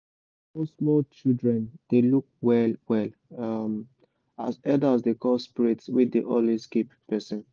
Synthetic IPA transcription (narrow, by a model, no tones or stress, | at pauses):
fosmɔt͡ʃildɹɛ̃nd̥eluk̚wɛlwɛlam | a̰zɛdasdekɔlspiɹitswiddiʔɔliskeppɛsɔ̃n